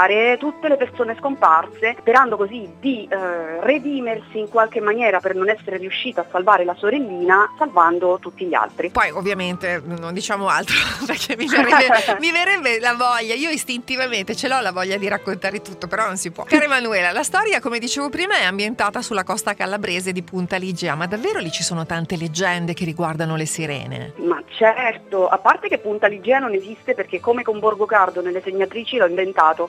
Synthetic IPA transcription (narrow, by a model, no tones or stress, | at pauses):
aɾet̪ut̪ːelepersoːneskomparsespeɾand̪okozid̪ired̪iːmersiːŋkwalkemːanjɛːɾapernonɛsːeɾeɾiuʃːiːt̪asːalvaːɾelasoɾelːiːnasalvand̪ot̪ut̪ːiʎːa̰lt̪ɾipɔjovːjament̪enond̪it͡ʃaːmoalt̪ɾoperkʰɛmːiveɾɛbːemiveɾɛbːelavɔʎːaiːoist̪int̪ivament̪et͡ʃelɔlavɔʎːad̪iɾakːont̪aːɾet̪ut̪ːopeɾɔnonsipwɔ̰kaːɾemanuɛːlalast̪ɔːɾjakomed̪it͡ʃeːvopɾiːmaɛambjent̪aːt̪asulːakɔst̪akalːabɾeːzed̪ipunt̪alid͡ʒɛːamad̪avːeːɾolit͡ʃisoːnot̪ant̪eled͡ʒːɛnd̪ekerːiɡward̪anolesiɾɛ̰ːnḛmat͡ʃɛrt̪oa̰pːart̪ekepːunt̪alid͡ʒɛːanonezist̪eperk̟ekːomekomborɡokard̪onelːeseɲːat̪ɾiːt͡ʃilɔiɱvent̪aːt̪o